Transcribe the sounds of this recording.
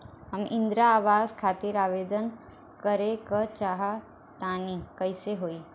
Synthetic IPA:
ɦəmɪ̃nd̪ɾaːʋaːzkʰaːt̪iɾaːʋeːd̪ən | kəɾekət͡ʃaːɦa | t̪aːnikɐɪseɦoːiː

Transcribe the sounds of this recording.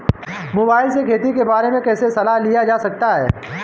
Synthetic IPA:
moːbaːɪlsekʰeːt̪ikebaːɾemẽkɛːsesɐlaɦlijad͡ʒaːsɐk̚t̪aɦɛ̰ː

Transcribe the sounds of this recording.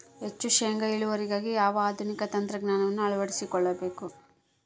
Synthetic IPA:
ɦet͡ʃːuʃeŋɡɐiɭuʋɐɾiɡaːɡijaːʋɐaːd̪ʱunikɐt̪ɐnt̪ɾɐɡnaːnɐʋɐnːuɐɭɐʋɐɽisikɔɭːɐbe̞ːku

